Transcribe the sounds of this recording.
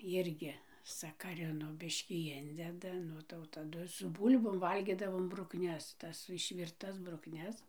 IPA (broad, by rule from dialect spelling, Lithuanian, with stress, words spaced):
ˈjɪrʲɡʲɪ sɐkɐˈrʲɪnoː ˈbʲɪʃʲkʲiː ˈɪnʲdʲɛdɐ ˈnʊ tɐɪ jɛʊ tɐˈdʊ sʊ ˈbuːlʲboːm ˈʋɐlʲɡʲɪdɐʋoːm brʊkˈnʲɛs ˈtɐs ɪʃʲʋʲɪrˈtɐs brʊkˈnʲɛs